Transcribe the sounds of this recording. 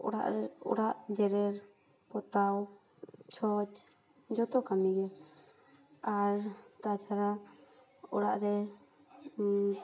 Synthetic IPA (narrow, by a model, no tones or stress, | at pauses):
ɔɽa̰ʔɾɔ̰ɽaʔd͡ʒɛɾɛɾ | pɔt̪aw | t͡ʃʰɔt͡ʃ | d͡ʒɔt̪ɔkamiɡɛ | aɾt̪at͡ʃʰaɾa | ɔɽaʔɾɛ